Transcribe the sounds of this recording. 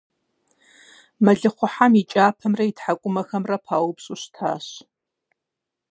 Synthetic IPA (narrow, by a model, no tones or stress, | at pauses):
mɐɮɨχʷʊħamit͡ʃʼaːpʰɐmrɐitħakʷʼʊmɐxɐmrɐpʰaːwpɕʼuɕtʰa̰ːɕ